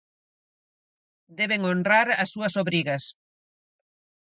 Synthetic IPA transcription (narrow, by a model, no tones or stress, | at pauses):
d̪ɛβeŋonraɾɐsːuɐsoβɾiɣɐs